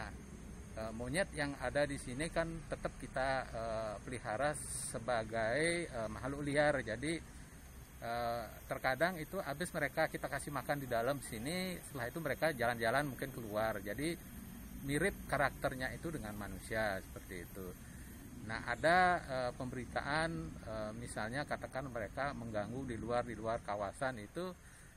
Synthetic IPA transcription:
na | əːmoɲət̪jaŋadadisinikant̪ət̪əp̚kit̪aəpəliɦaɾassəbaɡajəːmaɦaluliard͡ʒadi | ʔət̪ərkadaŋit̪uʔabɪsməɾekakit̪akasɪhmakandidaləmsinisə̥t̪əlaɦit̪uməɾekad͡ʒaland͡ʒalanmuŋkɪnkəluard͡ʒadi | miɾɪp̪̚kaɾak̚t̪ərɲait̪udəŋanmanusiasə̥pərt̪ḭːt̪u | na̰ha̰daəpəmbəɾit̪a̰ʔanəmisalɲakat̪akanməɾekaməŋɡaŋɡudiluardiluarkawasanit̪u

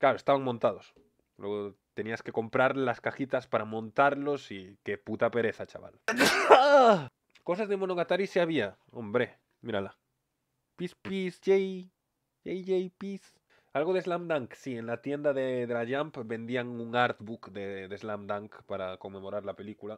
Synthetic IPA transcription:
klaɾo̞e̞st̪aβaŋmõnt̪að̞o̞s | lwe̞ɣot̪e̞niaske̞ko̞mpɾaɾlaskaxit̪aspaɾamõ̞nt̪aɾlo̞sike̞put̪ape̞ɾe̞θat͡ʃa̰βa̰l | ko̞sazðe̞mo̞no̞ɣat̪aɾiseaβ̞ia | o̞̰mbɾe̞ | miɾala | pispisʝej | ʝejʝejpis | alɣo̞ðe̞zlamd̪aŋksie̞nlat̪je̞nd̪aðeðɾaʝampbe̞nd̪iaŋuŋaɾt̪bukd̪eðezlamd̪aŋkpaɾako̞ŋmːẽ̞mo̞ɾaɾlape̞likula

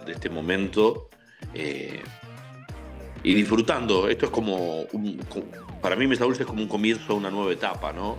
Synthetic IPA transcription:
d̪est̪emõ̞mẽ̞nt̪o | ḛ | ḭðifɾut̪and̪oe̞̰st̪oesko̞mouŋkopaɾamĩmes̬aβulsehko̞mouŋko̞mjensounanwe̞β̞aet̪apa̰nõ

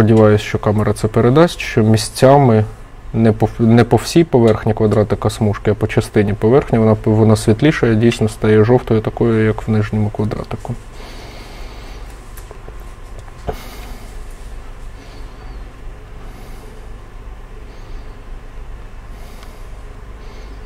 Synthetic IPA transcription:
pɔdʲiʋɑjʊsʲʃt͡ʃɔkɑmeɾɐt̪sɛpeɾed̪ɑsʲtʲʃt͡ʃɔmʲisʲt͡sʲːamɪ | nɛpɔnɛpɔw̥sʲijpɔʋɛrxnʲikʋɐd̪ɾɑt̪ɪkɐsmuʃkɪɐpɔt͡ʃɐst̪ɪnʲipɔʋɛrxnʲiʋɔnɑʋɔnɑsʲʋʲit̪lʲiʃɐjɛdʲijsʲnɔst̪ɐjɛʒɔwt̪ɔjʊt̪ɐkɔjʊjɐkwnɪʒnʲɔmʊkʋɐd̪ɾɑ̰t̪ɪkʊ

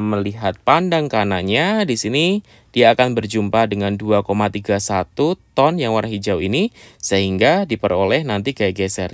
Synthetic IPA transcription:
məliɦat̪̚pandaŋkanaɲadisini | diaːkanbərd͡ʒumpadəŋanduakomat̪iɡasat̪ut̪ɔnjaŋwaɾaŋɦid͡ʒawinisəɦiŋɡadipəɾolɛhnant̪iɡaɡɛsɛr

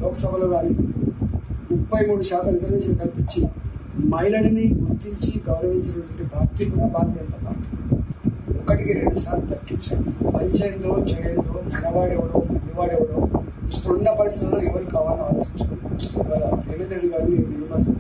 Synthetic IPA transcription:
lɔːkɐsɐbʱɐloːɡaːli | mupːɐjmuːɽuʃaːt̪ɐmɾid͡ʒɐɾʋeːʃɐnk̪ɐlpiɲt͡ʃimɐjlɐniniɡuɾt̪iɲt͡ʃiɡɐwɾɐʋiɲt͡ʃɐnɐʈɐɳʈebʱaːɾt̪iːkunɐpaːt̪ɐjɐnt̪ɐpa̰ːʈɐ | ɔkːɐʈikiɾeɳɖusaːɾlud̪ɐkːiɲt͡ʃa̰ːɽuɐɲt͡ʃɐjɐnd̪oːt͡ʃɐɽjɐnd̪oːt̪ɐɾɐʋaːɽeʋɐɽoːɐniʋaːɽeʋɐɽoː | ɾoɳɖɐpɐɾist̪it̪uloːɛʋɐɾikaːʋaːlɐaːɾoːsiɲt͡ʃukoniɐt̪ʋala̰ɾeːmet̪ɾeɽiɡaːɾimeninunasu

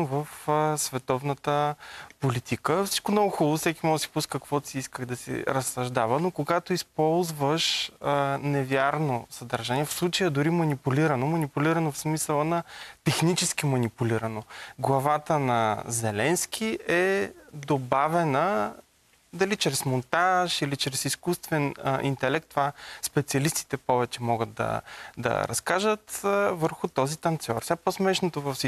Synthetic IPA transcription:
vəfsvɛt̪ɔvnət̪əpolit̪ʰikəfsi̥t͡ʃkomnɔɡʊxulˠofsɛkʲimɔsi̥puskəkvɔt̪iiskəxd̪ɐsɛ̰ɾəsːɐʒd̪avənokoɡat̪oispɔlˠzvəʃənɛvʲjaɾnosəd̪ɐɾʒaniɛfslˠut͡ʃəjəd̪ʊɾimɐnipuliɾɐnomɐnipulʲiɾɐnofsmisəlˠənɐt̪ɛxnit͡ʃɛsk̟imɐnipuliɾənoɡlˠɐvat̪ənɐzɛlɛnskʰiʔɛd̪obavɛnə | d̪ɐlit͡ʃɾɛsmont̪aʃilit͡ʃɾɛsiskust̪vɛnʔḭnt̪ɛlɛk̚t̪ːovaspɛt̪siɐlist̪i̥t̪ɛpɔvɛt͡ʃɛmɔɡət̪̚d̪ɐ̰d̪ɐ̰ɾɐ̰skaʒət̪vəɾxut̪ɔzit̪ɐnt̪sʲɔɾsʲaposmɛʃnot̪ovɐfsi

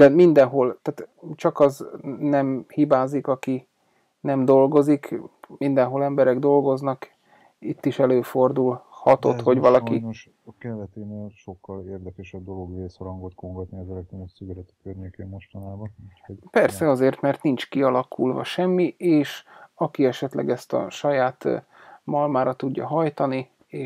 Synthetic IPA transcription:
d̪ɛmind̪ɛnɦo̞lt̪aːt̪t͡ʃɒkɒznɛmhibaːzikɒki | nɛmd̪o̞lɡo̞zikmind̪ɛnɦo̞lɛmbɛɾɛɡd̪o̞lɡo̞znɒk | it̪ːiʃɛløːfo̞rd̪ulhɒt̪o̞̰t̪ho̞ɟʋɒlɒkioʃ | kɛnd̪ɛt̪eːneːlʃokːɒleːrd̪ɛkɛʃɛb̚d̪o̞loɡveːshɒɾɒŋɡot̪koŋɡɒt̪niɒzɛlɛk̚t̪ɾonoʃsyɡɛlɛt̪y̥kørɲeːkeːmmo̞ʃt̪ɒnaːbɒnucpɛrsɛɒzeːrt̪mɛrt̪nint͡ʃkiɒlɒkʰulvɒ̰ʃɛmːiʔeːʃɒkiɛʃɛt̪lɛ̰ɡɛst̪ɒ̰ʃɒjaːt̪ | mɒlmaːɾɒt̪uɟːɒɦɒjt̪ɒni | eː

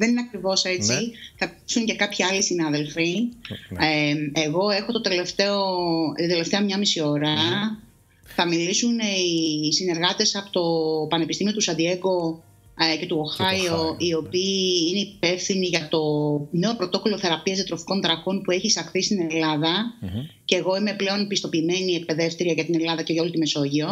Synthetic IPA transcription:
ðe̞nineɐkɾivo̞se̞t͡siθɐ | suŋce̞kɐpçiɐlisinɐðe̞lfi | eɣo̞e̞xo̞t̪ot̪e̞left̪eot̪e̞left̪eɐmɲɐmisio̞ɾɐ | θɐmilisunisine̞ɾɣɐt̪e̞sɐpot̪o̞pɐnepist̪imio̞t̪usɐd̪ie̞ɡo̞ | ce̞t̪uoxɐio̞io̞piːine̞ipe̞fθiniʝɐt̪o̞ne̞o̞pɾo̞t̪o̞ko̞lo̞θe̞ɾɐpiɐzet̪ɾo̞fi̥ko̞nd̪ɾɐko̞npue̞çisɐxθist̪ine̞lɐðɐce̞ːɣo̞ime̞ple̞o̞npist̪o̞piːme̞nie̞k̚pe̞ðe̞ft̪ɾiɐʝɐt̪ine̞lɐðɐceʝɐo̞lit̪ime̞so̞ʝio̞

